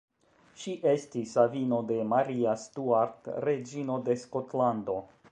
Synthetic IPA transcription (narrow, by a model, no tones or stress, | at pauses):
ʃiʔe̞stisavino̞de̞maɾiastuaɾtɾe̞d͡ʒino̞de̞sko̞tlando̞